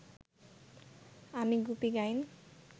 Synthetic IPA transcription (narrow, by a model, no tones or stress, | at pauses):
ɦamiɡupiɡajn